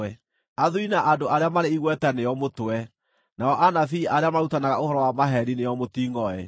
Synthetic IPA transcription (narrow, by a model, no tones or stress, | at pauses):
ɛ | aðuinaʔadoʔaɾeamaɾeiɣwɛtɛnejɔmotoɛ | naɔʔanafiːʔaɾeamautanaɣaohɔɾɔwamaɦɛɾinejɔmotiŋɔɛ